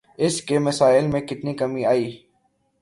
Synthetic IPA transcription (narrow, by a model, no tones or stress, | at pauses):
ɪskemɐsaːɪlmẽkɪt̪nikɐmiaːiː